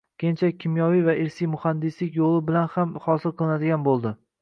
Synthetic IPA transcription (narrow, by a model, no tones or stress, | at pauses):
kʲʰent͡ʃʰakʲʰɪmjɒvijvaʔɪɾsijmʊhand̪ɪslɪkʲjolˠɪbɪlanhamhɒsɪlˠqʰɨlˠɪnad̪ɪɡʲanbolˠd̪ɪ